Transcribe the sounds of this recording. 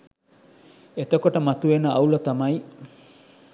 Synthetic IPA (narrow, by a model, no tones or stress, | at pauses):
et̪okoʈɐmat̪uenɐʔawlot̪amaj